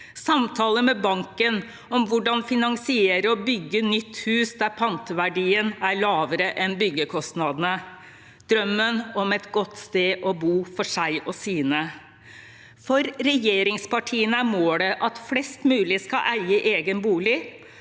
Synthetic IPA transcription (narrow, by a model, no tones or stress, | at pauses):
sɑmt̪ʰɑːləmɛbɑŋkən | ɔmʋʊɖɑnfɪnɑŋsɪeːɾəɔbʏɡːənʏt̪ʰːhʉːsd̪æɾpʰlɑnt̪əʋæɖiːənæɾɭɑːʋəɾəʔɛnbʏɡːəkʰɔst̪nɑd̪ənə | d̪ɾœmːənɔmɛt̪ɡɔt̪ːst̪eːʔɔbuːfɔʂæɪʔɔsiːnə | fɔɾɾɛjeːɾɪŋspɑʈʰiːənəæɾmoːɖ̪ɛʔɑt̪flɛst̪mʉːlɪskɑʔæɪəʔeːɡənbuːlɪ